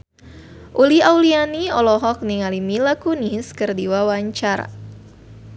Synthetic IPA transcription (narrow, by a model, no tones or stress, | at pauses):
ʔuliawlianiɔlɔɦɔk̚niŋalimilakuniskərdiwawaɲt͡ʃaɾa̰